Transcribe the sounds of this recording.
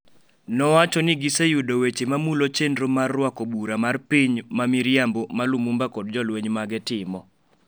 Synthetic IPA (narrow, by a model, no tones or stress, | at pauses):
nɔwat͡ʃɔnɪɡisejudowet͡ʃemamulot͡ʃendɾomarːwakobuɾamarpiɲmamiɾjambomalumumbakɔd̚d͡ʒɔlweɲmaɡɛtɪmɔ